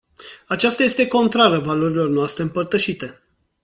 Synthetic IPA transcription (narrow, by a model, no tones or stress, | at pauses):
at͡ʃast̪aje̞st̪e̞ko̞nt̪ɾaɾəvalo̞ɾilo̞rnoast̪ɾe̞ɨmpərt̪əʃit̪e̞